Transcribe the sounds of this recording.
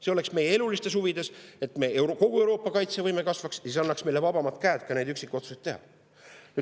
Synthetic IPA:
se̞o̞le̞ksme̞jee̞lulist̪e̞s̬huvid̪̥e̞se̞t̪ˑme̞ewko̞ɡ̥uewɾo̞ːpːˑɑkɑjt̪sevɤjmekɑsvɑksjɑseɑnːɑksmejlevɑb̥ɑmɑt̪ˑkæːt̪kɑne̞jd̪yksikːˑio̞t̪su̥set̪ːe̞ɦɑ̰ | ny

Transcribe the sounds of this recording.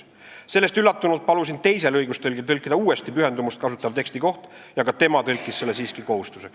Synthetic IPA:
se̞lːe̞st̪ylːɑt̪ːunult̪̚pɑlusint̪e̞jse̞lɤjɡ̥ust̪elɡ̥it̪ɤlʲkːˑid̪̥ɑuːe̞st̪ipyɦe̞nd̪umust̪̚kɑsut̪ːˑɑvt̪e̞kst̪iko̞ht̪ | jɑɡ̥ɑt̪e̞mɑt̪ɤlʲkˑːisselːesiːskiko̞hust̪usek

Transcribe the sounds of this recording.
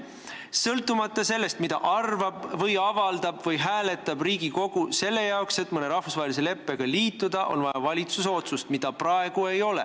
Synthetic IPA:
sɤlt̪ːˑumɑt̪ːˑɑse̞lːe̞st̪mid̪ɑʔɑrvɑbvɤjɑvɑld̪̥ɑb̥vɤjɦæːle̞t̪ːˑɑbriːɡiko̞ɡ̥use̞lːe̞jɑokse̞t̪ːˑmɤne̞ɾɑhvusvɑɦelise̞le̞pːˑe̞ɡ̥ɑliːt̪ːˑud̪̥ɑʔo̞̰nvɑjɑvɑlʲit̪suso̞t̪sust̪mid̪ɑprɑeɡ̥ue̞jo̞lḛ

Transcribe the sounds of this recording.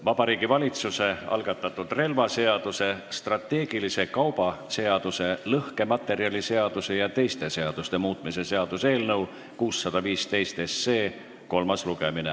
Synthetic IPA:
vɑb̥ɑɾiːɡ̥ivɑlʲit̪suse̞ɑ̰lɡ̥ɑt̪ːˑɑt̪ːˑud̪̥re̞lvɑse̞ɑd̪̥use̞st̪rɑt̪ːe̞ːɡ̥ilise̞kɑwb̥ɑse̞ɑd̪̥use̞lɤhke̞mɑt̪ːˑe̞ɾiɑlʲise̞ɑd̪̥use̞jɑt̪e̞jst̪e̞se̞ɑd̪̥ust̪e̞muːt̪ˑmise̞se̞ɑd̪̥use̞ːlnɤw | kuːsːɑd̪̥ɑviːst̪e̞jst̪e̞sːe̞ː | ko̞lmɑsluɡ̥e̞mine

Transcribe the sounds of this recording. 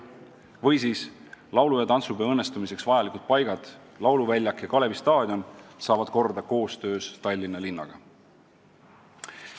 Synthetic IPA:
vɤjsiːslɑwlujɑt̪ɑnsubeɤnːe̞st̪umise̞ksvɑjɑlikud̪̥̚pɑjɡ̥ɑd̪̥ | lɑwluvælʲjɑkjɑkɑle̞vist̪ɑːd̪̥ʲjo̞nsɑːvɑd̪̥̚ko̞rd̪ɑko̞ːst̪ø̞ːst̪ɑlʲːinːɑlinːɑ̰ɡ̥ɑ̰

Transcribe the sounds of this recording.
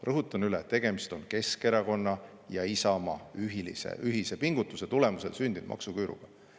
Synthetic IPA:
rɤɦut̪ːˑɑnylet̪ːe̞ɡ̥e̞mist̪o̞nke̞ske̞ɾɑko̞nːɑ | jɑisɑmɑyɦilḭsḛʔyɦise̞piŋɡ̥ut̪ːˑuse̞t̪ule̞muse̞lsynʲd̪ind̥̪mɑ̰ksukyːɾṵɡ̥ɑ

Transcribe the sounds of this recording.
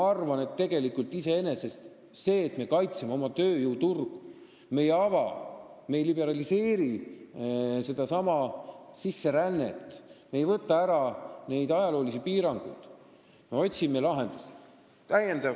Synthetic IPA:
ɑrvɑne̞t̪ːe̞ɡ̥e̞likult̪ːise̞e̞ne̞se̞st̪ | se̞ːt̪me̞kɑjt̪semeo̞mɑt̪ø̞ːjuwt̪urɡ̥u | me̞jeɑvɑme̞jlibe̞ɾɑlise̞ːɾi | se̞d̪ɑsɑmɑsisːe̞ɾænːe̞̰t̪ːˑmejvɤt̪ːˑɑæɾɑne̞jd̪ɑjɑlo̞ːlisipiːɾɑŋɡ̥ṵjd̪̥ | me̞o̞tʲsimelɑɦend̪̥us | t̪æjend̪ɑ

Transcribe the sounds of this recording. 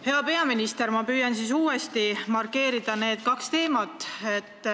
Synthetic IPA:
he̞ɑpe̞ɑminist̪e̞ɾmɑpyːjɑnsiːsuːest̪imɑrke̞ːɾid̪̥ɑne̞ːd̪̥̚kɑkst̪e̞ːmɑt̪ːˑe̞t̪ːˑ

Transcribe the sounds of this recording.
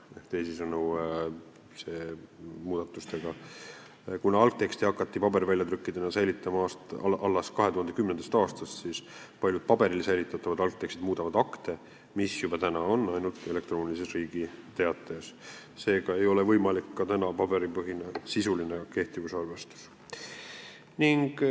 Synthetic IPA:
eht̪e̞jsisɤnu | se̞ːmuːd̪̥ɑt̪ːˑust̪eɡ̥ɑ | kunɑɑlk̚t̪ːe̞kst̪iɑkːˑɑt̪ːipɑbe̞ɾivælʲjɑt̪ɾykːid̪̥enɑsæjlit̪ːˑɑmɑɑst̪ɑʔɑlːɑskɑɦe̞t̪uhɑnd̪e̞kymnend̪ɑ̥st̪ɑːst̪ɑst̪siːspɑlʲjud̪̚pɑbe̞ɾilsæjlit̪ːˑɑt̪ːˑɑvɑd̪̥ɑlk̚t̪e̞kst̪id̪̥muːd̪ɑvɑd̪̥ɑkt̪e̞ | misjub̥ɑt̪ænɑo̞nːɑjnult̪e̞le̞kt̪ro̞ːnʲilisesriːɡ̥it̪e̞ɑt̪ːˑes | se̞ːɡ̥ɑe̞jo̞levɤjmɑlikːɑt̪ænɑpɑbe̞ɾipɤɦinɑsisulineke̞ht̪ivusɑrvest̪u̥s | niŋɡ̥

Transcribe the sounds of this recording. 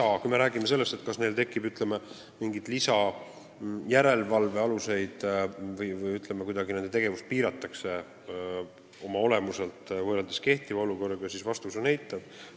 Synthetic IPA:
ɑkujme̞ɾæːɡimese̞lːest̪e̞t̪̚ːkɑsne̞jlt̪e̞kːˑibyt̪ˑle̞me | miŋɡid̪̥lisɑ | jæɾe̞lvɑlve̞ɑluse̞jd̪̥vɯjvɯjyt̪ˑle̞mekujd̪ɑɡine̞nd̪e̞t̪e̞ɡ̥e̞vust̪̚piːɾɑt̪ːˑɑkse̞ | o̞mɑo̞le̞muse̞lt̪ˑvɤrɑld̪eske̞ht̪ivɑoluko̞rːɑɡɑsisvɑst̪usunæjt̪ːˑɑb̥̚

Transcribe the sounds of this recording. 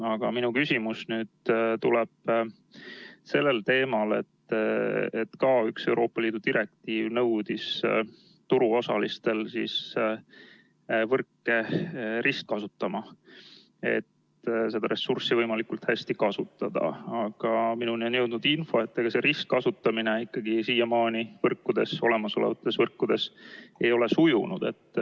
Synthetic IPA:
ɑɡ̥ɑminukysʲimusnyːd̪̥t̪ulɛb̥ | se̞lːe̞lt̪e̞ːmɑle̞̰t̪ | ḛt̪kɑykse̞uwɾo̞ːpːˑɑliːd̪ud̪̥iɾe̞k̚t̪iːvnɤwd̪̥is | t̪uɾuo̞sɑlist̪e̞lsiːs | vɤrkːe̞ɾʔisk̚kɑsut̪ːɑmɑ | e̞̰t̪ | se̞d̪ɑɾʔe̞sːursivɤjmɑlikult̪hæsʲt̪ikɑsut̪ːˑɑd̪̥ɑ̰ɑɡ̥ɑminunionjɤwd̪nud̪̥info̞et̪ːeɡ̥ɑse̞ɾisk̚kɑsut̪ˑːɑmineikːɑɡ̥isiːjɑmɑːnivɤrkːud̪̥e̞so̞le̞mɑsolḛvɑt̪ˑːesvɤrkːud̪̥e̞se̞jo̞le̞sujunṵd̪̥e̞̰t̪ːˑ

